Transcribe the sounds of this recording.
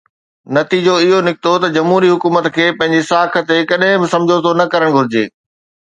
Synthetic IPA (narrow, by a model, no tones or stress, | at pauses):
nɐt̪iːd͡ʑoɪɦonɪkɪt̪ot̪ɐd͡ʑɐmɦuːɾiɦʊkuːmət̪kʰeːpɐ̃ɦɪ̃ɲd͡ʑesaːkʰə̆t̪ekɐɗɦɪ̃bɪsɐ̃md͡ʑʱot̪ʰonɐkɐɾəɽ̃ɡʱʊɾɪd͡ʑḛː